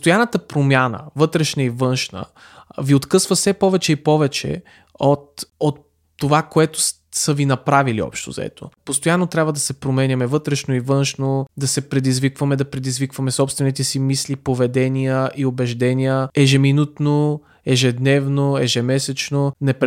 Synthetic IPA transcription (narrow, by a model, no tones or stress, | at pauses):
st̪ojanət̪əpɾomʲjanə̰vɤt̪ɾɛʃnəivɤnʃnə̰ | viot̪kɤsvəsɛpɔvɛt͡ʃɛipɔvɛt͡ʃɛ̰ | ot̪ot̪ː | ovakoɛt̪oʊ̥ | səvinɐpɾavilḭɔ̰pʃt̪o̰zɐ̰ɛ̰t̪o̰post̪ojanːot̪ɾʲabvəd̪ɐsɛpɾomɛnʲɐmɛvɤt̪ɾɛʃnoivɤnʃnod̪ɐsɛpɾɛd̪izvikvɐmɛd̪ɐpɾɛd̪izvikvɐmɛsɔpst̪vɛnit̪ɛsimislipovɛd̪ɛnijəʔiobɛʒd̪ɛnijəɛʒɛminut̪no | ɛʒɛd̪nɛvnoɛʒɛmɛsɛt͡ʃnonɛp